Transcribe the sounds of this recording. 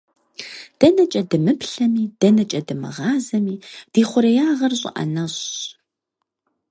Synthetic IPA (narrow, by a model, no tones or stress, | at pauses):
d̥ɐnɐt͡ʃʼɐdɨmɨpɬɐmiːd̥ɐnɐt͡ʃʼɐdɨmɨ̰ʁɑːzɐmiːd̥iːχʷʊɾɐjaːʁɐrɕʼɪ̰ʔɐ̰nɐɕ